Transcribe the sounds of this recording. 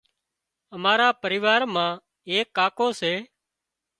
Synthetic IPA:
əmaːɾaːpəɾɪːʋaːɾmãː | eːkːaːkoːseː

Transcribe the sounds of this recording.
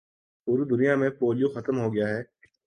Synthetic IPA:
pʊɾud̪ʊnijamẽpoːlijõxɐt̪əmɦoɡɐjaɦɛː

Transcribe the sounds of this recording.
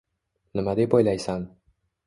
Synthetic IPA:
nɪmad̪ejbɒjlajsan

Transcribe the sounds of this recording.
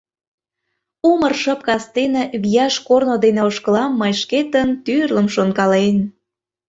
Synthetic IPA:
umərʃəp̚kɑst̪enə̆βijɑʃkornod̪eneoʃkəlɑmːəjʃket̪ənt̪yrləmʃonkɑlen

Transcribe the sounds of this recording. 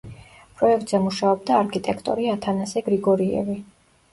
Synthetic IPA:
pʼɾɔɛk̚ʰt̪ʼzɛmuʃaɔb̚d̪aːɾkʰit̪ʼɛkʰt̪ʼɔɾiat̪ʰanasɛɡɾiɡɔɾiɛ̰vi

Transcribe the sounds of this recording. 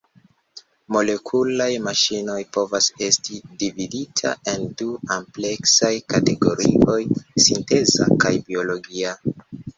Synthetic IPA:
mo̞le̞kʰulajmaʃino̞jpo̞vase̞stidividitʰa̰e̞nduample̞ksajkate̞ɡo̞ɾio̞jsinte̞za̰kajbio̞lo̞ɡia

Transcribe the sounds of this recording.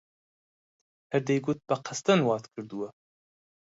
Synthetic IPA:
hɛɾd̪ɛjɡut̪̚bɐqʰɐst̪ɐnwɑːt̪kʰɨɾd̪uwɐ

